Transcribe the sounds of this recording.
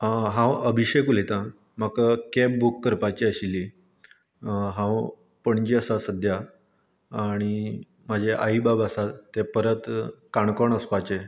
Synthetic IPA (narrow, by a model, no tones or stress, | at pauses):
ɦãwəbʱiɕekulet̪ã | məkakɛp̚bukːəɾpat͡ɕiəɕilːi | ɦãw | pəɳd͡ʑiəsasəd̪ʱjaː | ɽ̃i | mad͡ʑʱeʔa̰ibabasat̪ːepəɾət̪kaɳkoɳəspat͡ɕe